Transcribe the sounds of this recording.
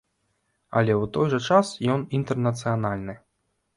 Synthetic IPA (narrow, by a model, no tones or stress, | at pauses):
ɐ̰lʲɛwt̪ɔjʐɐt͡ʂasjɔnint̪ɛrnɐt̪sɨjanalʲnɨ